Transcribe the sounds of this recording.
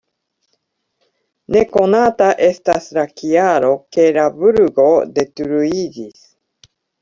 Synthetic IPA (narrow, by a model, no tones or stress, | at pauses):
ne̞ko̞nat̪aʔe̞st̪asɾakiaɾo̞ke̞ɾabuɾɯɡo̞d̪e̞t̪uɾuid͡ʑis